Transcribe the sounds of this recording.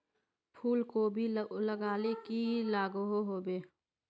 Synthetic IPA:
pʰuːlkobʱiləɡaːlekilaːɡɦoɦoːbeː

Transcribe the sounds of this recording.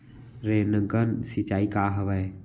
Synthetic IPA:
ɾenəɡənsit͡ʃaːikaːɦɐʋae

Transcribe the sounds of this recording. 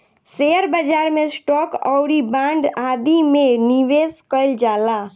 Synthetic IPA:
seəɾbəd͡ʒaɾmesʈɔkə̰ʊɾibãɳɖad̪imeniʋeskəɪld͡ʒala

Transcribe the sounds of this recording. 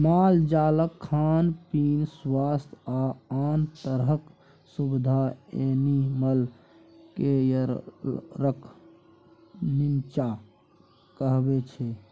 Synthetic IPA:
maːld͡ʒaːləkʰːaːnpiːnswaːst̪ʰaaːnt̪əɾɦək | subid̪ʱaeniməl | kejə | ɾəkʰ | nimt͡ʃa | kəɦbet͡ʃʰe

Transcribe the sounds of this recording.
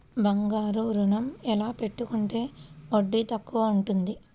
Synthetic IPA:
bɐŋɡaːɾuɾunɐmɛlaːpe̞ʈːukuɳʈe̞ːoɖːit̪ɐkːuʋaːuɳʈund̪i

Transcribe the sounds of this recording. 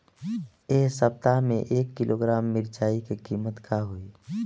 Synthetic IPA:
esəp̚t̪amḛ̃ʔeːkːɪlʔoɡɾaːmːɪɾt͡ʃaːikekiːmət̪kʰaɦoi

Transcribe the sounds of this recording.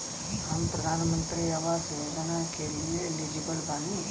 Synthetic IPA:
aːmpɾɐd̪ʱaːnɐmɐnt̪ɾiaʋaːsɐʋed̪ʱɐnaːkeɾielid͡ʒibɐlbani

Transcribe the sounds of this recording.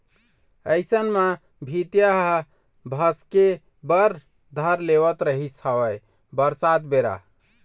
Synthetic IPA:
əɪsənmã | bʱit̪jaɦ | bʱəske | bəɾ | d̪ʱəɾleβət̪ɾəɦisəwə | bəɾsat̪beɾa̰

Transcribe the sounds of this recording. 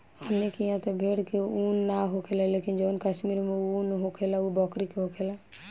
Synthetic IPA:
əmnekijãt̪ɔbʱeɽkeunːaɦokʰelalekind͡ʒonkəʃmiɾmeunɦokʰelaubɔkɾikeɦokʰela

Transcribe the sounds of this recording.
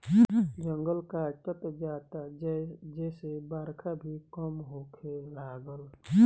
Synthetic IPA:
d͡ʒə̃ŋɡəlkat͡ʃət̪d͡ʒaːt̪ad͡ʒɛːsebaːɾkʰabʱikəmɦoːkʰelaːɡəl

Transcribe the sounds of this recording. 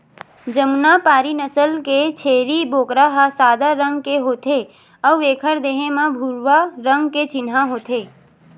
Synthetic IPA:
d͡ʒəmnapaːɾinəsəlket͡ʃʰeːɾiboːkɾaɦasaːd̪aɾə̃ŋɡkeɦoːt̪ʰe | əwʋeːkʰəɾd̪eːɦẽmãbʱuɾʋaɾə̃ŋɡket͡ʃɪnɦãɦoːt̪ʰeː

